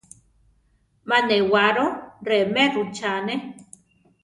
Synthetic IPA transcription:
mãnewaɾoɾemerut͡ʃane

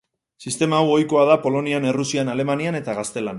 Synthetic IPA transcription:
sist̪e̞maːwo̞jko̞að̞apo̞lo̞niane̞rusianale̞maniane̞t̪aɣ̞ast̪e̞lan

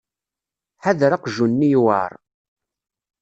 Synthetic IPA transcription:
ħaðɾaqʒunːijwa̰ɾˤ

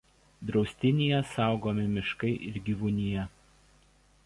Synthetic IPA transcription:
d̪ɾɒʊsʲt̪ʲɪnʲijɛsɑˑʊɡoːmʲɪmʲɪʃkɐɪʔɪɾɡʲiːʋʊnʲɪjɛ

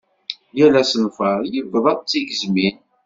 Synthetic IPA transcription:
jælæsənfəɾˤjəvːəðˤɑðˤt͡sːiʝəzmin

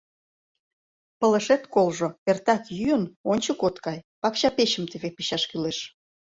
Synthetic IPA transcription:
pə̆ləʃet̪kolʒoert̪ɑkjyənonʲt͡ɕə̆kot̪kɑjpɑkɕɑpeɕəmt̪eβepiɕɑʃkyleʃ

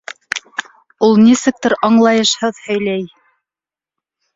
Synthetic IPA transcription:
ulˠnisɘk̚t̪ɘɾɑɴlˠɑjɤʃhɤðhɵ̆jlæj

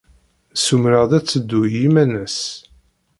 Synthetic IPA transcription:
sumɾəʁðæt͡sːəd̪ːujimænəs

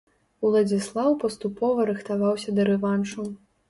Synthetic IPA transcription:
wlˠɐd͡zʲislˠawpɐst̪upɔvɐɾɨxt̪avawsʲɐd̪ɐɾɛvanʂu

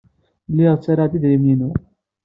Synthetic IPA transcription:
lːɪʁt͡sːaɾaʕd̪iðɾimninu

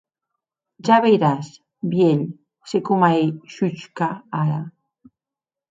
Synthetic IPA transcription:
ʒaβejɾas | bjeʎ | sekomaejʃut͡ʃkaaɾa

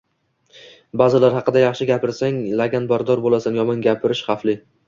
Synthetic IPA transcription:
bazɪlaɾhɑqɨd̪ajɑχʃɪɡʲapʰɪɾsaŋlaɡʲanbaɾd̪ɒɾbolasanjɒmɒnɡʲapʰɪɾɪʃχɑflɪ

